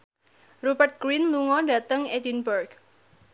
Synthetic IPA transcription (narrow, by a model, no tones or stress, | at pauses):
rubət̪̚ɡ̥ɾinluŋɔɖä̤t̪əŋɛdinbərɡ